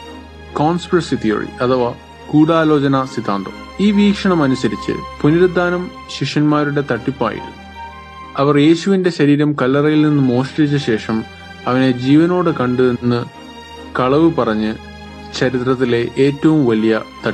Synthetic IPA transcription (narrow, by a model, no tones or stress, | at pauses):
koːnspirɐsit̪ʰijɐ̰rḭɐt̪ʰɐʋɐ | kuːɽaːlo̞ːt͡ɕɐnɐsit̪aːnd̪o̰ | iːʋiːkʂɐɳɐmɐnusɐɾit͡ɕːɨ̰puniɾud̪ʱːaːnɐm | ɕiʂɐnmaːɾuɽe̞t̪ɐʈːipːa̰ːjḭɾṵmːu | ɐʋɐrje̞ːɕuʋinde̞ɕɐɾiːɾɐmkɐlːɐrɐjilninːɨmo̞ːʂʈɐit͡ɕːɐɕe̞ːʂɐm | ɐʋɐne̞d͡ʑiːʋɐno̞ːɽɨkɐɳɖɨenːɨ | kɐɭɐʋɨpɐrɐɲːɨ | t͡ɕɐɾit̪rɐt̪̬ːile̞ʔeːtːɐʋumʋɐlijɐt̪ɐʈː